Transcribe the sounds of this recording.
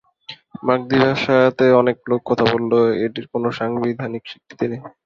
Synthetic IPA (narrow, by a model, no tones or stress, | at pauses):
mak̚d̪ibaʃat̪eɔneklokːɔt̪ʰabolːoeʈiɾkonoʃaŋbid̪ʱanikʃi̥k̚t̪i̥t̪inej